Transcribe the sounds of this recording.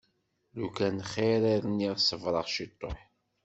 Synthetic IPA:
lukænχeɾiɾəniðsəvɾˤəʁʃit̪ˤːoħ

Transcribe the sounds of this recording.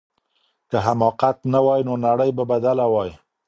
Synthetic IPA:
kəɦamɑqat̪nawɑjnonaɽəjbabad̪alawɑji

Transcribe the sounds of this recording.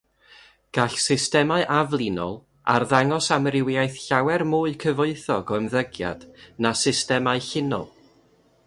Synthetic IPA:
ɡ̥aɬsɪstɛmaɨʔavlˠinɔ̰lˠ | a̰rðaŋɔsamrɪwjajθɬawɛrmuːɨkʰəvoɨθɔɡɔəmðəɡja̰d̥nasɪstɛmaɨɬɪnɔ̰lˠ

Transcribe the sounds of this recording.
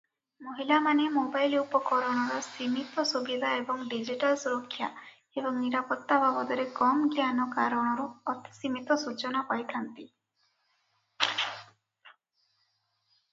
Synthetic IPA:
moɦilamanemobajlupɔkɔɾɔɽ̃ɔɾɔsimit̪ɔsubid̪ʱaebɔŋɖid͡ʒiʈalsuɾɔkʰːja | ebɔŋniɾapɔt̪ːabʱabɔd̪ɔɾekɔmɡjanɔkaɾɔɽ̃ɔɾuɔt̪i̥simit̪ɔsut͡ʃɔnapajt̪ʰant̪i

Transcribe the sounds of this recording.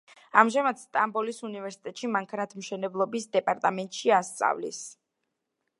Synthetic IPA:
amʒamad̪̥st̪ʼambɔlisunivɛɾsi̥t̪ʼɛt̪ʼʃimaŋkʰanat̪ʰmʃɛnɛblˠɔbisd̪ɛpʼaɾt̪ʼamɛnt̪ʼʃiast̪sʼa̰vlḭs

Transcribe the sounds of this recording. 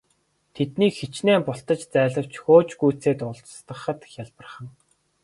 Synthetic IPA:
t̪ʰet̪niːkxet͡ɕneːmpʊɬt̪ə̆t͡ɕt͡sæːɮə̆w̥t͡ɕxoːt͡ɕɡujt͡seːt̪ʊɮt͡sst̪ə̆χə̆t̪xjaɮpə̆rχə̆ŋ

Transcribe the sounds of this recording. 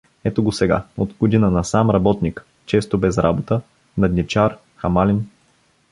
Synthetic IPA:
ɛt̪oɡosɛɡa̰ot̪ɡod̪inənɐsamɾɐbɔt̪nik | t͡ʃɛst̪obɛzɾabot̪ə | nɐd̪nʲift͡ʃaɾ | xɐmalin

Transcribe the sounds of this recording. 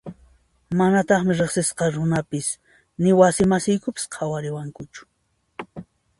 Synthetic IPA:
manat̪ɑχmɪɾeχsɪsqɑɾʊnapɪs | nɪwasɪmasɪjkʊpɪ̥sqʰawaɾɪwaŋkʊt͡ʃʊ̥

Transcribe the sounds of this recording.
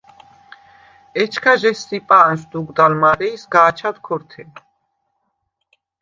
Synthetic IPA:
ɛt͡ʃʰkʰaʒɛst̪ipʼaːnʃd̪uɡd̪almaɾɛisɡaːt͡ʃʰad̪kʰɔɾt̪ʰɛ

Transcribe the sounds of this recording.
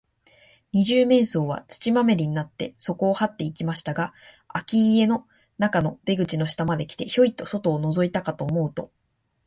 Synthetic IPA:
ɲ̟iʑɨːmẽ̞ɰ̃so̞ːβ̞a̰t͡sɨ̥t͡ɕimame̞ɾʲiɲ̟inat̪ːe̞̰so̞ko̞ːhat̪ːe̞ikʲimaɕi̥t̪aɡa | akʲiːe̞no̞ | nakano̞d̪e̞ɡɯ̟t͡ɕino̞ɕi̥t̪amad̪e̞kʲi̥t̪e̞ço̞it̪ːo̞so̞t̪o̞ːno̞zo̞it̪akat̪o̞ːmo̞ɯ̟t̪o̞

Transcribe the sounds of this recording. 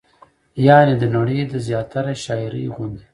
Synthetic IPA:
jɑːnid̪ənaɽed̪əzjɑːt̪aɾaʃɑːjɾḭɣund̪i

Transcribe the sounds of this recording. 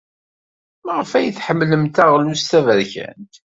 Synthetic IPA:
məʁfæjəθħəmːləmt̪æʁlust̪ævəɾçæ̰nt̪

